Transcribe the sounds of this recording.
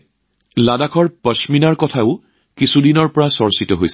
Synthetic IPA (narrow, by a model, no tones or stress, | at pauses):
ladakʰɔɹpəsminaɹkɔtʰaʊ | kisudinɔɹpɔɹasɔɹsitɔɦojsɛ